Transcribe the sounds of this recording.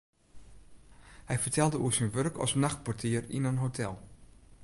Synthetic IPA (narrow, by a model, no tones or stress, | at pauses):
hɛjfəɹtʰɛlˠdəuəsinʋørkɔ̰snaxt̚pɔɹtʰiərḭnənɦotʰɛlˠ